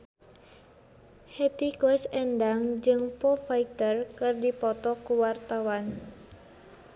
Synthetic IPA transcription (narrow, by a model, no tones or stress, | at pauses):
hɛt̪ikɔɛsɛndaŋd͡ʒɨŋpɔfait̪ərkɨrdipɔt̪ɔkuwart̪awan